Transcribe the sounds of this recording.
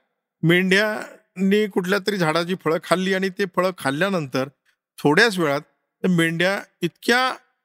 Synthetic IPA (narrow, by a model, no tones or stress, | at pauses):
miɳɖja | niːkuʈʰljat̪̬əɾiːd͡zʱaɽat͡ɕiːfəɭəkʰːalːiːaɽ̃it̪efəɭəkʰːalːjanənt̪əɾ | t̪ʰoɽjas̬ʋeɭat̪̚ː | əɾmeɳɖjait̪kja